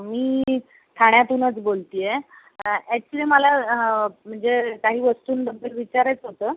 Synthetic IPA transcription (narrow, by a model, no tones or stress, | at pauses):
miː | t̪ʰaɽ̃jat̪uːnət͡sbolt̪ije | æʈt͡ɕlieməla | m̤əɳd͡zekaɦiːʋəst̪uːnɖəbʱəlʋit͡ɕaɾat͡sɦot̪əː